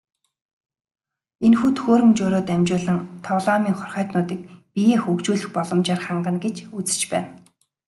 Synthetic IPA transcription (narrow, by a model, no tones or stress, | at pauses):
enxuːt̪ʰɵxoːɾɵ̆mt͡ɕʊːɾʊːt̪æmt͡ɕʊːɮə̆ŋt̪ʰɔɮɔːmiːŋχɔrχœːt̪nʊːt̪iːk̚pijeːxɵkt͡ɕuːɮɘ̆xpɔɮɞ̆mt͡ɕaːrχaɴɢə̆nɡet͡ɕut͡sɘ̥̆t͡ɕpæ̰ːn